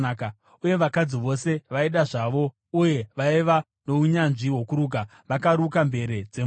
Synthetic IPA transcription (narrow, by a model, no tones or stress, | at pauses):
ka | uje̞ʋakad͡ziʋo̞se̞ʋaiɗaʐaʋo̞ | uje̞ʋaiʋa | no̞uɲanʐiɦwokuɾuɡa | ʋakaɾukambe̞ɾed͡zem